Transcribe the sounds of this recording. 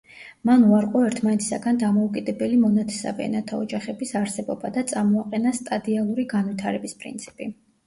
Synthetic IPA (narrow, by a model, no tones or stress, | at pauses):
manuaɾqʼɔɛɾt̪ʰmanɛt̪ʰi̥sa̰ɡand̪amɔukʼid̪ɛbɛlimɔnat̪ʰɛ̥sa̰vɛ̰ɛ̰nat̪ʰaɔd͡ʒaχɛbisaɾsɛbɔbad̪at̪sʼamɔaqʼɛnast̪ʼad̪ialˠuɾiɡanvwit̪ʰaɾɛbispʼɾḭnt̪sʰi̥pʼi